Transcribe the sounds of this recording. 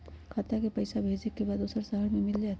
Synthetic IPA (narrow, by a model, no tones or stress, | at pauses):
kʰət̪akepəɪsabʱed͡ʒekːebad̪osəɾsəɦəɾmemild͡ʒat̪